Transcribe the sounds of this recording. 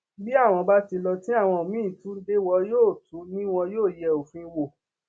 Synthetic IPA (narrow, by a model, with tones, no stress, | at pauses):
bi˦a˦˨w̃ɔ̃˧ba˦ti˧lɔ˧tĩ˦a˦˨w̃ɔ̃˧˨mĩ˦˨tũ˦de˦wɔ˧joː˦˨tu˨˦nĩ˦w̃ɔ̃˧joː˦˨jɛ˨o˨fĩ˧wo˨